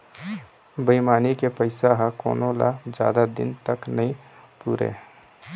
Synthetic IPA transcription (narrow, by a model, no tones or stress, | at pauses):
bəɪmaːnikepəɪsaɦɛ̃kɔ̰ːnola̰d͡ʒja̰ːd̪ad̪ɪ̰nt̪əknəɦĩpuːɾḛː